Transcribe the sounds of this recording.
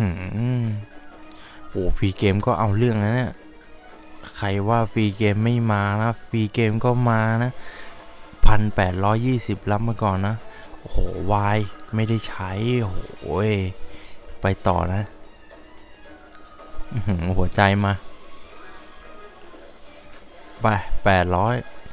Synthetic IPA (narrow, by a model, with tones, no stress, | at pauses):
hɯː˧˩ | hoː˨˩˦fiː˧keː˧mkɔː˥˩ʔa˧wɾɯ˥˩əŋna˧˥jni˦˥˩ə | kʰa˧jwaː˥˩fiː˧keː˧mːa˥˩jmaː˧na˦˥fiː˧keː˧mkɔː˥˩maː˧na˦˥ | pʰa˧npɛː˨˩t̪̚ɾɔː˦˥jːiː˥˩si˨˩p̚la˦˥p̚maː˧kɔː˨˩nːa˦˥ʔo˨hoː˩˦waː˧jma˥˩jda˥˩jt͡ɕʰa˦˥jhoː˩˦e˥˧˩ | pa˧jt̪ɔ̰ː˨˩na˦˥ | ʔhu˨˩˦ɐt͡ɕa˧jmaː˧ | pa˧˩pɛː˨˩t̪̚ɾɔː˦˥j